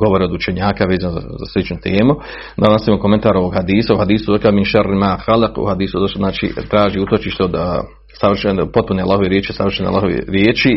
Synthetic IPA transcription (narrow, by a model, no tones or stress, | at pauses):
ɡo̞ʋo̞ɾeod̪ut͡ʃeɲaːkaʋeːzanoza̰za̰slit͡ʃnut̪eːmu | d̪anosimokoment̪aːɾoʋoɡhad̪iːsauhad̪iːsud̪okaminʃaɾimaːxalqṵhad̪iːsud̪oʃznaːt͡ʃḭt̪ɾaːʒiut̪ot͡ʃiʃt̪eod̪ | saʋr̩ʃenpo̞t̪̚punealˠaːhoʋeɾjeːt͡ʃiosaʋɾr̩ʃenea̰lːˠaɦoʋḛɾjeːt͡ʃi